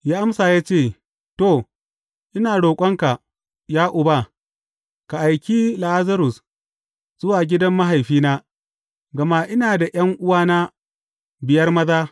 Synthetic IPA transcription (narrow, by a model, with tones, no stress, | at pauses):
jaː˦ʔa˦msaː˨jaː˦t͡ʃeː˦˨ | toː˦˨ | ʔɪ˦naː˨ɽoː˨kʷʼɐ˦ŋka˨ | jaː˦ʔʊ˨ba˦˨ | ka˨ʔa˨jkʲiː˦la˨ʔa˦zɐ˦ɾʊ˨s | z̥ʊ˦waː˨ɡʲɪ˦dɐ˦mːa˦ɦa˨jɸiː˦naː˦ | ɡɐ˨ma˦ʔɪ˦naː˨da˨j̰ɐ˦ŋʔʊ˦waː˦na˦ | bɪ˨jɐ˦rmɐ˦zaː˦